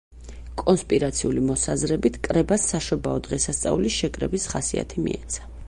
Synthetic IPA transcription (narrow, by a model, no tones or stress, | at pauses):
kʼɔnspʼiɾat̪sʰiulimɔsazɾɛbit̪ʰkʼɾɛbasːaʃɔbaɔd̪ʁɛsast̪sʼa̰uliʃɛkʼɾɛbisχasia̰t̪ʰimḭɛ̰t̪sʰḁ